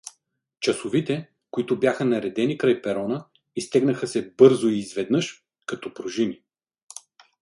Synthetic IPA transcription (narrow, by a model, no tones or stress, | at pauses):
t͡ʃɐsʊvit̪ɛ | koit̪ʊbjaxənɐɾɛd̪ɛnikɾajpɛɾɔnə | ist̪ɛɡnɐxəsɛbɤɾzʊiːzvɛd̪nɤʃ | kɐt̪ɔpɾoʒini